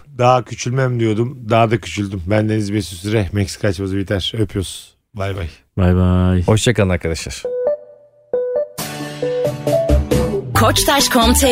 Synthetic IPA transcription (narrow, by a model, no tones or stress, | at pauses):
d̪aɦacʰyt͡ʃʰylʲmæmd̪ijod̪umd̪ad̪acʰy̥t͡ʃʰylʲd̪ymbænd̪enizbesysyɾɛmɛcsi̥kʰat͡ʃbazɯbit̪ʰæɾ̥øpʰjos | vajbaj | vajbajoʃt͡ʃakalnaɾkʰad̪aʃɯ̰ɾ̥ | kʰot͡ʃt̪ʰaʃkʰɔmt̪ʰe